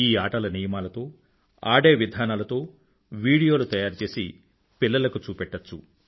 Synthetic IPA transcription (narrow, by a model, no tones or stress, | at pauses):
iːaːʈɐlɐniːjɐmaːlɐt̪o̞ː | a̰ːɖe̞ːʋid̪ʱaːnaːlɐt̪o̞ː | ʋiːɽijo̞ːlut̪ɐjaːɾut͡ʃe̞ːsi | pilːɐlɐkut͡ʃuːpɛʈːɐt͡ʃːu